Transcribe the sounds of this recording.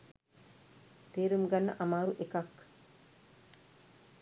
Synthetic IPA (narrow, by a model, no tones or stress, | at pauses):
t̪eːɾumɡanːə̰ʔamaːɾuʔekak